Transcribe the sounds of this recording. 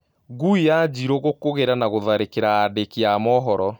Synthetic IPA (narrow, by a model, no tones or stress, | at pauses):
ɡuijad͡ʑiɾoɣokoɣeɾanaɣoðaɾekeɾaːdekeamɔɦɔɾɔ